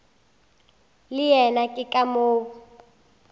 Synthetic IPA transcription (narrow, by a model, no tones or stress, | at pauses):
lɪjɛnakʼɪkʼamoːwu